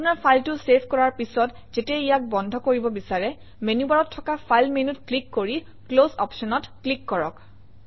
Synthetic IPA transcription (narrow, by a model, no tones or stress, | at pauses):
apunaɹpʰajltʊsepʰkɔɹaɹpisɔt | zetɛijak̚bɔndʱɔkoɹibɔbisaɹɛ | menubaɹɔtʰːɔkapʰajlmenutklikːoɹi | klozɔpsɔnɔtklikːɔɹɔk